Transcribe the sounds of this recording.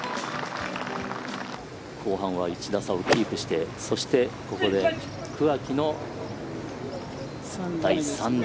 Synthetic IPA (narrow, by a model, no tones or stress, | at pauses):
kʰo̞ːɦãɰ̃βait͡ɕid̪asaokʲiːkɯ̟ɕi̥t̪e̞so̞ɕi̥t̪e̞ko̞ko̞d̪e̞ | kɯ̟akʲino̞ | d̪aisãn